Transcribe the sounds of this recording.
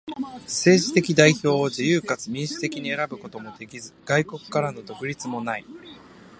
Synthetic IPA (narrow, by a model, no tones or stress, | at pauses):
se̞ːʑit̪e̞kʲid̪aiço̞ːoʑijɯːkat͡sɨmʲĩɰ̃ɕi̥t̪e̞kʲiɲ̟ie̞ɾabɯ̟ko̞t̪o̞mo̞d̪e̞kʲizɨɡ̥aiko̞kɯ̟̥kaɾano̞d̪o̞kɯ̟ɾʲit͡sɨmo̞nai